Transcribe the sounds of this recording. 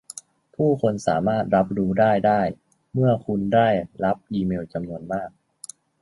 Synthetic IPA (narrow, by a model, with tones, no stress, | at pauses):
pʰuː˥˩kʰo˧nsa̰ː˩˦maː˥˩t̪̚ɾa˦˥p̚ɾuː˦˥daː˥˩jdaː˥˩j | mɯ˥˩ɐkʰu˧ndaː˥˩jɾa˦˥p̚ʔiː˧meː˧wt͡ɕa˧mnu˧ənmaː˥˩k̚